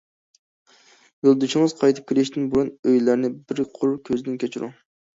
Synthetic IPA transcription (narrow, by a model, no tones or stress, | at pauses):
jolˠd̪uʃiŋɨz̥qʰɑjt̪ʰɨ̥p̚kʲʰelɪʃt̪ɪnbuɾunøjlæɾnɪbɪɾqʰʊɾkʲʰøzɪd̪ɪnkʲʰet͡ʃʰyɾṵ